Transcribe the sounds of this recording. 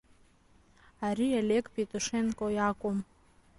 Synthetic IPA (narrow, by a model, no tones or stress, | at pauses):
aɾialʲekʰʼpʼetʼoʂenkʼojakʷʼom